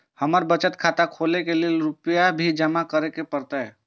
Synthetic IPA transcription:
həməɾbət͡ʃət̪kʰat̪akʰolekeleelɾʊpəjabʱid͡ʒəmakəɾekepəɾt̪aɦɛ

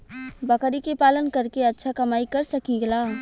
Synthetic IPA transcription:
bɐkɾikepaːlənkɐɾkeɐtːʃʰakɐmaːikɐɾsɐkiɡlaː

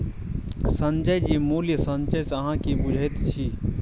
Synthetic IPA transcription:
sɐ̃nd͡ʒəjd͡ʒimuːljəsɐnt͡ʃəjsɐɦãkibʊd͡ʒʱəet̪t͡ʃʰiː

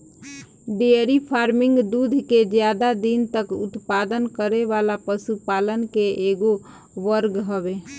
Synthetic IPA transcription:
ɖeəɾipʰaːɾmɪ̃ŋɡd̪uːd̪ʱked͡ʒjad̪ad̪int̪əkʊ̰t̪paːd̪ənkəɾeʋaːlapəsupaːlənkeʔeːɡo | ʋəɾɡɦəʋe

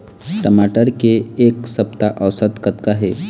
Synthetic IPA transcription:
ʈəmaʈəɾkeːksəpt̪aʔəwsət̪kət̪kaɦe

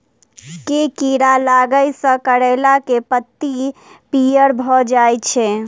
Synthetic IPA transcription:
kekiɾalaɡəjsə̃kəɽɛlakepət̪ːipijəɾbʱɔd͡ʒajt͡ʃʰɛ

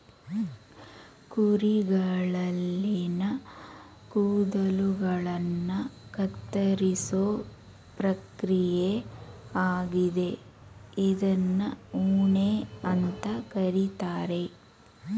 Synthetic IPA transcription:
kuɾiɡɐɭɐlːinɐ | kuːd̪ɐluɡɐɭɐnːɐkɐt̪ːɐɾisoː | pɾɐkɾijeaːɡid̪e̞ | id̪ɐnːɐuːɳeɐnt̪ɐkɐɾit̪aːɾe̞

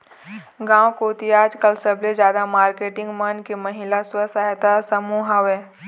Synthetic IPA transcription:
ɡãːwkoːt̪iaːd͡ʒkəlsɐblezd͡ʒjaːd̪amaːɾkeːʈɪ̃ŋɡmɐnkemɐɦɪlaswəsaɦt̪asəmuːɦaʋeː

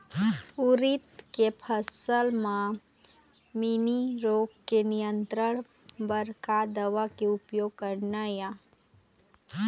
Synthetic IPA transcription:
ʊɾɪt̪kepʰəsəlmã | miniɾoːɡkenɪjə̃nt̪ɾəɽ̃bəɾkad̪əʋakeʊpjoːɡ̚kəɾnaja

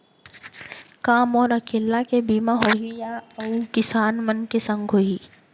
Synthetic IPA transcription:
kaːmɔːɾɐkeːlːakebiːmaɦoijaɐukɪsaːnmənkesɐ̃ŋɡʱoːiː

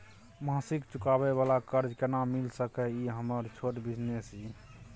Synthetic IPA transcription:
mãsikt͡ʃukabeβalakəɾd͡ʒkenamilsəkɛiɦəməɾt͡ʃʰoʈbid͡ʒnesi

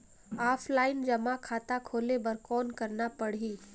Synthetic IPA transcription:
aːpʰlaːɪnd͡ʒɐmakʰaːt̪akʰoːlebɐɾkɔːnkɐɾnapɐɽ̤iː

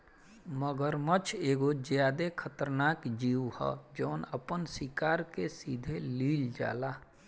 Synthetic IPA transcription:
məɡəɾmət͡ʃʰeːɡod͡ʒjaːd̪ekʰət̪əɾnaːkd͡ʒiːuhɔ̰d͡ʒoːnəpənsɪkaːɾkesiːd̪ʱeliːld͡ʒa̰ːlaː

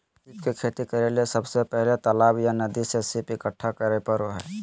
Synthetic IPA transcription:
ipkekʰeːt̪ikəɾelesəbsepɛɦlet̪əlaːbjanəd̪isesipɪkəʈʰːakəɾepəɾɦɛ

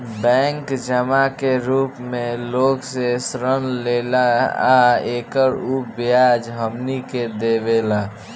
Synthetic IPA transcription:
bɛ̃ːŋkd͡ʒəmakeɾuːpmẽloːɡsesɾənleːlaa̰eːkəɾuːbjaːd͡ʒɦəmniked̪eʋeːla

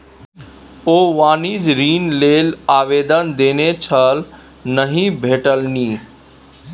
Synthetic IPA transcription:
oːʋaːniːd͡ʒɾiːnleːlaːʋeːd̪ənd̪eːnet͡ʃʰəl | nəɦĩbʱeːʈəlniː

